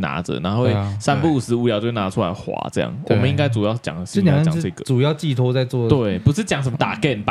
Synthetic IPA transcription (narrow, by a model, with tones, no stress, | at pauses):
na̰˧˥ʈ͡ʂə̰˨na˧˥we˥˩ɪsa˥npu˥˨˩sɹ̩˧˥u˧˥jt͡ɕo˥˩na˧˥ʈ͡ʂʰu˦la˧ɪxwa̰˧˥t͡sɤ̰˥˧jɑ̰˥˩ŋwɔ̰˨mə̃˦ni˥ŋka˥˩ɪt͡su˨˩jɑ˥˧˩t͡ɕjɑ̰˨˩ŋ̩˧˩˧t͡ɕ̩˨˥˧ə˥˧˥ɡə˩ʈ͡ʂu˨˩jɑ˥˧ʊt͡ɕi˥˩t̪ʰo˥ʊt͡sa˥˧ɪt͡swɔ˥˨t̪we˥˨˩ɪpu˧˥ʂɻ̩˥˩t͡ɕjɑ˨˩ŋʂə˧˨mə˧t̪a̰˨˩kɛ˥˩np